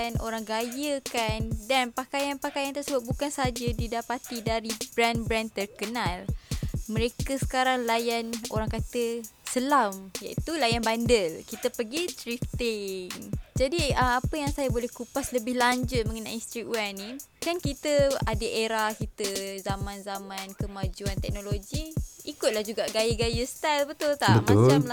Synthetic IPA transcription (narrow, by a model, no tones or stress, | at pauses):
nʔo̰ɾaŋɡajəkandanpakajanpakajant̪ərsəbʊt̚bukansəad͡ʒadidapat̪idaɾib̥ɾanbɾant̪ərkənãlmə̃ɾekəsə̥kaɾaŋlajano̰ɾaŋkat̪əsəlamja̰ḭt̪ulajanbandəlkit̪əpəɡit̪ɾift̪ɪŋd͡ʒadiəmapəjaŋsajabolɛhkupasləbɪhlaɲd͡ʒʊt̪̚mə̃ŋəna̰jinst̪ɾik̪wani | kankit̪əadəʔeɾahkit̪əzamãnzamãnkəmad͡ʒuant̪ɛk̚noloɡiikʊt̪̚lahd͡ʒuɡaʔɡajəɡajəst̪albət̪ʊlt̪abəmaʊlamla